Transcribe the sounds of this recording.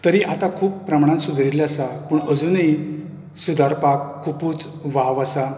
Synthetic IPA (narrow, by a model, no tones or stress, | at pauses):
t̪əɾiʔat̪akʰuːpːɾəmaɳ̃ãsud̪ʱɾilasapəːɳəd͡zuni | sud̪ʱaɾpakʰːupuːt͡sʋaʋasa